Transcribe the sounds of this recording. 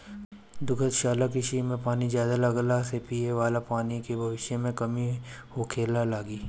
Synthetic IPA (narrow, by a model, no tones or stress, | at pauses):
d̪ʊkʰət̪ʃaːlakɪʃimẽpaːnizjaːd̪alɐɡlasepiːeʋaːlapaːnikebʱɐʋɪʃjəmẽkɐmihokʰeːlalaːɡiː